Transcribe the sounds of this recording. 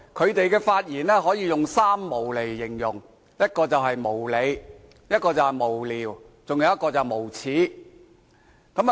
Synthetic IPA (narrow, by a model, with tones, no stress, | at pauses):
kʰɵ˨˧ɥt̪e˨jkɛː˧faː˧t̚jiː˨˩nɛː˥ɦɔː˨˥jiː˨˧jʊ˨ŋsaː˥mːo˨˩wle˨˩jːɪ˨˩ŋjʊ˨˩ŋ | jɐ˥t̚kɔː˧t͡sɐ˨wɦɐ˨jmo˨˩wle˨˧j | jɐ˥t̚kɔː˧t͡sɐ˨whɐ˨jmo˨˩wliː˨w | t͡sʊ˨ŋja˨˧˦wjɐ˥t̚kɔː˧t͡sɐ˨˩wmo˨˩wt͡sʰiː˨˥ | kɐ˨˥m